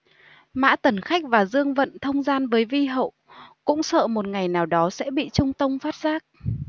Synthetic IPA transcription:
ma̰ː˧˥t̪ə˨˩nxa˦˥k̟̚vaː˨˩zɨ˧əŋvə̰˧˨nt̪ʰə˧wŋ͡mzaː˧nvəː˨˦jvi˧ɦə̰˧˨wkʊ̰˧˥ŋ͡msə̰ː˧˨mo˨˩t̚ŋa˨˩jnaː˨˩wɗɔ˨˦sɛ̰˧˥ɓḭ˧˨t͡ɕʊ˧ŋ͡mt̪ə˧wŋ͡mfaː˦˥t̚z̥aː˦˥k̚

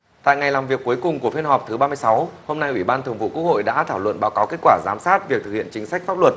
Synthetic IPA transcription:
t̪a̰ː˧˨jŋa˨˩jlaː˨˩mvi˨˩əkːu˨˦əjkʊ˨˩ŋ͡mku˧˩əfi˧nhɔ˨˩p̚t̪ʰɨ˨˦ɓaː˧mɨ˧əjsa˨˦who˧mna˧jʔwi˧˩ɓaː˧nt̪ʰɨ˨˩əŋvṵ˧˨ku˦˥ək̚ho̰˧˨jɗa̰ː˧˥t̪ʰaː˧˩wlwə̰˧˨nɓaː˨˦wkaː˨˦wke˦˥t̚kwaː˧˩zaː˨˦msaː˦˥t̚vi˨˩k̪̚ɨ˨˩k̚hḭ˧ənt͡ɕï˨˦ŋ̟sa˦˥jk̟faː˦˥p̚lwə˨˩t̚

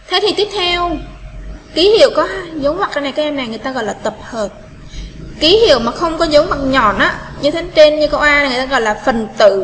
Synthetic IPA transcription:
t̪ʰe˨˦t̪ʰi˨˩t̪i˦˥əp̚t̪ʰɛ˧w | ki˨˦hḭ˧˨əwkɔ˨˦haː˧jzə˨˦wŋ͡mmwkːaː˧˩na˨˩ka˨˦ʔɛ˧mna˨˩jŋɨ˨˩ət̪a˧ɣɔ̰˧˨jlaː˨˩t̪ə˨˩p̚həː˨˩t̚ | ki˨˦hḭ˧˨əwmaː˨˩xə˧wŋ͡mkɔ˨˦zə˨˦wma˨˩k̚ɲɔ˨˩nʔaː˨˦ɲɨ˧t̪ʰe˨˦t͡ɕe˧nɲɨ˧kə˧wʔaː˧na˨˩ŋɨ˨˩˨t̪aː˧ɣɔ̰˧˨jlaː˨˩fə˨˩nt̪ɨ̰˧˨

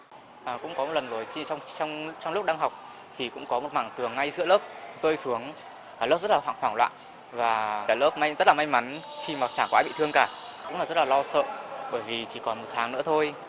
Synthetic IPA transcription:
ʔəː˨˩kʊ̰˧˥ŋ͡mkɔ˨˦m˨˩t̚lə˨˩zo˨˩jt͡ɕi˧wŋ͡mt͡ɕɔ˧wŋ͡mt͡ɕɔ˧wŋ͡mlʊ˦˥k͡p̚ɗaː˧ŋɦa˨˩wk͡p̚ | t̪ʰi˨˩kʊ̰˧˥ŋ͡mkɔ˨˦mo˨˩t̚maː˧˩ŋt̪ɨ˨˩əŋːa˧jzɨ̰˧˥ləː˦˥p̚zəː˧jsu˨˦əŋ | aː˧˩lə˦˥p̚zə˦˥t̚lːa˨˩wa̰ː˧˩ŋfwaː˧˩ŋlwa̰ː˧˨n | vaː˨˩aː˧˩ləː˦˥p̚ma˧jzə˦˥laː˨˩ma˧jma˨˦nxi˧˩maː˨˩t͡ɕaː˧˩kaː˧jɓḭ˧˨t̪ʰɨ˧əŋkaː˧˩kʊ̰˧˥ŋ͡maː˨˩zt̚laː˨˩lɔ˧sə̰ː˧˨ɓəː˧˩jvi˨˩t͡ɕi˧˩kɔ˨˩nmo˨˩t̪ʰaː˨˦ŋnɨ̰˧˥ət̪ʰo˧j

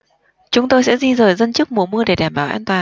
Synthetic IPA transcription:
t͡ɕʊ˨˦ŋ͡mt̪o˧jsɛ̰˧˥zi˧zəː˨˩jzə˧nt͡ɕɨ˦˥k̚mṵ˧˩əmɨ˧əɗe˧˩ɗaː˧˩mɓaː˧˩wʔaː˧nt̪waː˨˩

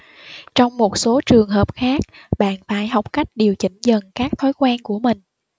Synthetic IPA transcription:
t͡ɕɔ˧wŋ͡mmo˨˩t̚so˨˦t͡ɕɨ˨˩əŋɦəː˨˩p̚xaː˦˥k̚ɓa̰ː˧˨nfaː˧˩jɦa˨˩wk͡p̚ka˦˥jk̟̚ɗi˨˩əwt͡ɕï˧˩ŋ̟zə˨˩nkaː˦˥k̚t̪ʰo˨˦jkwaː˧nku˧˩əmï˨˩ŋ̟

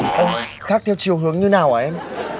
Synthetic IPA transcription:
ʔə˧˩ | xaː˦˥k̚t̪ʰɛ˧wt͡ɕi˨˩əwɦɨ˨˦əŋɲɨ˧naː˨˩wʔaː˨˩ʔɛ˧m

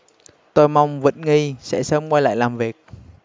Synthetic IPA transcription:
t̪o˧jma˧wŋ͡mvə̰˧˨˥n̚ŋi˧sɛ̰˧˥səː˧mkwa˧jla̰ː˧˨jlaː˨˩mvi˨˩ək̚

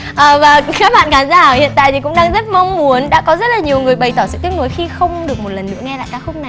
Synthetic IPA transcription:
ʔəː˨˩vaː˨˩kaː˦˥k̚ɓa̰ː˧˨nkaː˨˦nzaː˧˩hḭ˧˨ənt̪a̰ː˧˨jt̪i˨˩kʊ̰˧˥ŋ͡mɗaː˧ŋzə˦˥t̚ma˧wŋ͡mmu˨˦ənɗa̰ː˧˥kɔ˨˦zə˦˥t̚laː˨˩ɲi˨˩əwŋɨ˨˩əjɓa˨˩jt̪ɔ˧˩sɨ̰˧˨t̪i˦˥ək̚nu˨˦jxi˧xə˧wŋ͡mɗɨ˨˩ək̚mo˨˩t̚lə˨˩nːɨ̰˧˥əŋɛ˧la̰ː˧˨jkaː˨˦kxʊ˦˥k͡p̚na˨˩j

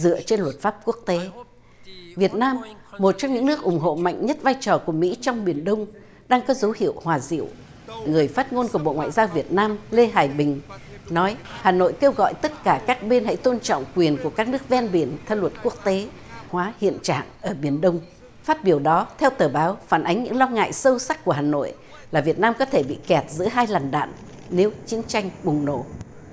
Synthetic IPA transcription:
zɨ̰˧˨ət͡ɕe˧nlwə˨˩t̚faː˦˥p̚ku˦˥ək̚t̪e˨˦ | vi˨˩ət̚naː˧mːo˨˩t̚t͡ɕɔ˧wŋ͡mɲɨ̰˧˥ŋnɨ˦˥ək̚ʔʊ˨˩ŋ͡mɦo̰˧˨ma̰˧˨jŋ̟ɲə˦˥t̚vaː˧jt͡ɕɔ˨˩ku˧˩əmḭ˧˥t͡ɕɔ˧wŋ͡mɓi˧˩ənɗə˧wŋ͡m | ɗaː˧ŋkɔ˨˦zə˨˦whḭ˧˨əwhwaː˨˩zḭ˧˨əw | ŋɨ˨˩əjfaː˦˥t̚ŋo˧nku˧˩əɓo̰˧˨ŋwa̰ː˧˨jzaː˧wvi˨˩ət̚naː˧mle˧ɦaː˨˩jɓï˨˩ŋ̟nɔ˨˦jhaː˨˩no̰˧˨jke˧wɣɔ̰˧˨jt̪ə˦˥t̚kaː˧˩kaː˦˥k̚ɓe˧nha̰˧˥jt̪o˧nt͡ɕɔ̰˧˨wŋ͡mkwi˨˩ənku˧˩əkaː˦˥k̚nɨ˦˥ək̚vɛ˧nɓi˧˩ənt̪ʰə˧nlwə˨˩t̚ku˦˥ək̚t̪e˨˦ | hwaː˨˦hḭ˧˨ənt͡ɕa̰ː˧˨ŋʔəː˧˩ɓi˧˩ənɗə˧wŋ͡m | faː˦˥t̚ɓi˧˩əwɗɔ˨˦t̪ʰɛ˧wt̪əː˨˩ɓaː˨˦wfaː˧˩nʔa˨˦ŋ̟ɲɨ̰˧˥ŋlɔ˧ŋa̰ː˧˨jsə˧wsa˦˥k̚ku˧˩əɦaː˨˩no̰˧˨j | laː˨˩vi˨˩ət̚naː˧mkɔ˨˦t̪ʰe˧˩ɓḭ˧˨kɛ˨˩t̚zɨ̰˧˥əɦaː˧jlaː˨˩nɗa̰ː˧˨nː | e˨˦wt͡ɕi˨˦ənt͡ɕa˧jŋ̟ɓʊ˨˩ŋ͡mno̰˧˩

